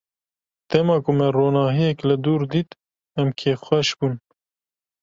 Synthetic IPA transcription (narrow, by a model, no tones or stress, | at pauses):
t̪ɛmɑːkʊmɛroːnɑːɦijɛkləd̪uːɾd̪iːt̪ | ɛmkʰeːxʷɛʃbuːn